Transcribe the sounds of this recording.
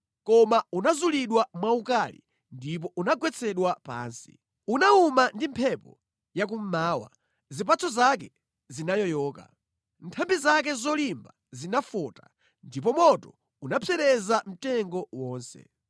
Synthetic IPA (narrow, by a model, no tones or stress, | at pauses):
kɔmaunazuliɗwamwaukalḭ | ndip̬ɔʔunaɡwɛt͡sʰɛɗwapa̰ːnsi̥̰ | unaumandimpʰɛpɔ | jak̬um̩maːwa̰ | zipat͡sʰɔzak̬ɛ | zinajɔjɔːka̰ | ntʰambizak̬ɛzɔlimba | zinafɔːta | ndip̬ɔmɔtɔ | unapʰɛɾɛzam̩tɛŋɡɔwɔːnsɛ̰